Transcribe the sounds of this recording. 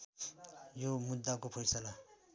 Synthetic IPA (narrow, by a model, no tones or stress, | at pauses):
jomud̪ːakopʰʌjsala